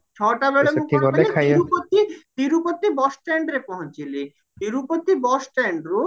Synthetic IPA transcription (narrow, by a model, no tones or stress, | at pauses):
t͡ɕʰɔʈabeɭemukʰieeekʰajiɾupot̪ːid̪iɾupot̪ːibɔsʈɛɳɖɾepɔɦõt͡ɕile | d̪iɾupot̪ːibɔsʈɛɳɖɾo